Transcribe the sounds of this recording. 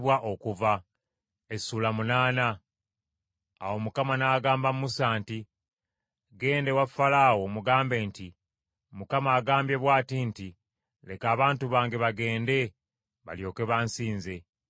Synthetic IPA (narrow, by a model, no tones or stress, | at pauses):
βwaʔo̞kuva | e̞sulamunaːna | wo̞mukamanaːɡaːmbamumusaːnti | ɡe̞ːnde̞wafalaːwo̞muɡaːmbe̞ːnti | mukamaːɡaːmbje̞βwaːtinti | le̞kaːβaːntuβaːŋɡe̞βaɡe̞ːnde̞ | βa̰ljo̞ːke̞βansiːnze̞